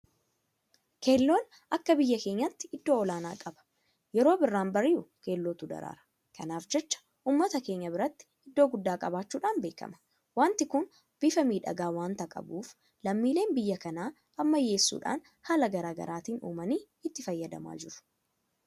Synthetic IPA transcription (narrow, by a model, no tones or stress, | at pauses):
ke̞ːlːo̞ːn | ʔɐkːɐbɪjːɐke̞ːɲːɐt̪ːɪʔɪd̪ːo̞ːɔlaːnaːkʼɐbɐ̥ | jɛɾo̞ːbɪrːaːnbɐrɪʊke̞ːlːoːt̪ʊd̪ɐ̰ɾa̰ːɾɐ̥ | kɐnaːfd͡ʒɛt͡ʃːɐ̥ | ʔuːmːɐt̪ɐke̞ːɲːɐbɪɾɐt̪ːɪ̥ɪd̪ːo̞ːɡʊd̪ːaːkʼɐbaːt͡ʃːuːᶑaːnbe̞ːkɐ̰mɐ̥ | waːnt̪ɪkʊn | b̥ɪfɐmiːᶑɐ̰ɡaːwaːnt̪ɐkʼɐ̰buːf | lɐmːiːleːnbɪjːɐkɐnaː | ʔɐmːɐjːe̞ːsːṵːᶑa̰ːn | haːlɐɡɐɾaːɡɐ̰ɾʔaːt̪iːnṵːmɐniː | ɪt̪ːɪfɐjːɐd̪ɐ̰ma̰ːd͡ʒɪɾʊ̥